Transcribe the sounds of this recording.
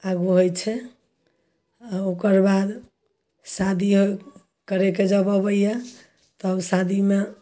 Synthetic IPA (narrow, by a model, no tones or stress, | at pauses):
aɡuɦojt͡ʃʰɛ | aokəɾbad̪ | sad̪ʱiɦo | kəɾeked͡ʒəbəbəjje | t̪əbsad̪ʱime